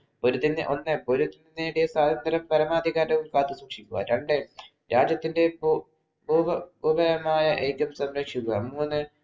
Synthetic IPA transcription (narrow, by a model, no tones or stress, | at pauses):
poɾut̪ːinʔo̞nːɨpo̞ɾut̪ːinineːɽijɐsaːd̪ʱɐnd̪ɐɾɐmpɐɾɐmaːd̪ʱiɣaːɾɐʋumkaːt̪ːɨswuːkʂikʲːuɣa̰ɾeɳɖe | ɾaːd͡ʑjɐt̪ːinde̞b | buːʋɐbuːbɐɾɐmaːjɐʔeːkːjɐmsɐmɾɐkʂikːuɣa̰muːnːɨ